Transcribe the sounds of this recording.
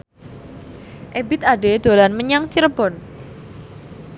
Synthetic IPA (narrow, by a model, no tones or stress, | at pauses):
ʔebɪt̪aɖed̪̥o̤lanməɲaŋt͡ʃiɾəb̥ɔn